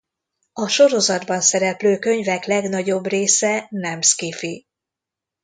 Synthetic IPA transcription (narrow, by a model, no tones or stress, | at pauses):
ɒʃo̞ɾo̞zɒd̪bɒnsɛɾɛpløːkø̞ɲvɛklɛɡnɒɟo̞breːsɛnɛmskifi